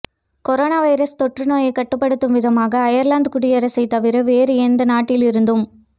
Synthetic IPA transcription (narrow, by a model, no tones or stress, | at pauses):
kɔɾoːnaːʋɐɪɾɐst̪ɔʈrɯnoːjɐɪkːɐʈːɯpːɐɽɯt̪ːɯmʋɪðɐmaːɣɐːjɐɾlaːnd̪kʊɽɪjɐɾɐsɐɪt̪ːɐʋɪɾɐʋeːɾɯɛnd̪ɐnaːʈːɪlɪɾɯnd̪ɯm